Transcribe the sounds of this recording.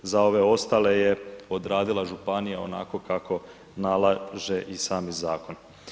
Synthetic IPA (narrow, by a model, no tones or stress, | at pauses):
zao̞ʋe̞o̞st̪ale̞je̞o̞d̪ɾaːd̪ilˠaʒupanijao̞̰na̰ko̞kakʰo̞ | nalaʒeʔisaːmizaːko̞n